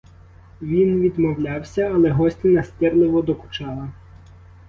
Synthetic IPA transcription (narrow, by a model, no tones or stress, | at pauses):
ʋʲinʋʲid̪mɔwlʲɑwsʲɐːlˠɛɦɔsʲtʲɪnɐsʲt̪ʲɪrlˠɪʋɔd̪ɔkʊ̥t͡ʃɑlˠɐ